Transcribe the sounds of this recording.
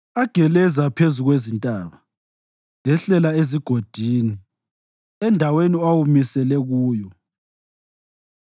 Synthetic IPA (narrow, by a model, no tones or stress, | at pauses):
aɡ̥ʱɛlɛzapʰezuɣwezintʼaːβa | lɛɬɛlaeziɡ̥ʱod̥ʱiːni | ɛndʱaweniawumisɛlɛɣuːjɔ